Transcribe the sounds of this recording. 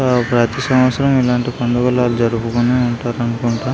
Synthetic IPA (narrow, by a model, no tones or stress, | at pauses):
pɾaːt̪isɐmʋɐt̪sʰɐɾɐmilaːɳʈipond̪ɐɡɐlaːlud͡ʒɐɾupukuneːuɳʈaːɾɐnukuɳʈaː